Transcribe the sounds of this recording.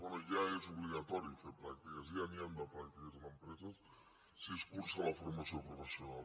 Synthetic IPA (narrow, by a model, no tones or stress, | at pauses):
wenoʝaesoβliɣat̪oɾjofepɾakt̪ikasianjand̪apɾakt̪ikazlampɾesas | seskuɾsalafoɾmasjopɾofesjonal